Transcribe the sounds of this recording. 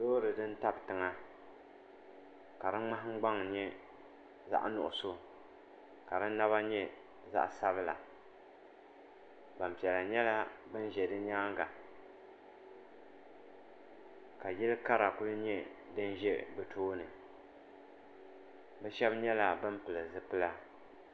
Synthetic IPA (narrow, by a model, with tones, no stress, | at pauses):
doː˦ɾɨ˨dɨ˦n̩˦ta˦btɨ˨ŋa˦ | ka˨dɨ˦ŋ͡ma˦ɦŋ͡m̩˦ɡ͡ba˦ŋ˨ɲɛ˦ | za̰˦ʔnʊ̰˨ʔʊ˨so˦ | ka˨ɾɨ˦n˦nːa˦βa˦ɲɛ˦ | za̰˦ʔsa˦bɨ˦la̰˨ | ba˨m˨pi˨ɛ˨la˨ɲɛ˦la˦bɨ˦n˦ʒɛ˨dɨ˦ɲaː˦ŋ˦ɡa˨ | ka˨jɪ˦lɨ˦ka˦ɾa˨kʊ˦lɨ˦ɲɛ˦dɨ˦n˦ʒɛ˦bɨ˨tʰoː˦nɨ˨ | bɛ˦ʃɛ˦bɲɛ˦la˨bɨ˦m˦pɨ˨lɨ˨zɨ˦pɨ˦la˦